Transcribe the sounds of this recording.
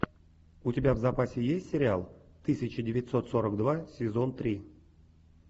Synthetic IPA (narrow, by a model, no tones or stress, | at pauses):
utʲɪbʲavzapasʲɪjesʲtʲsʲɪɾʲɪalˠ | t̪ɨsʲɪt͡ɕədʲɪvʲɪtʲso̞t̪soɾəkd̪vasʲɪzo̞nt̪ɾʲi